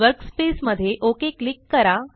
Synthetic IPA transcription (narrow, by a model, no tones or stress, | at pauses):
ʋəɾkspesməd̪ʱːjeʔokeklikːəɾa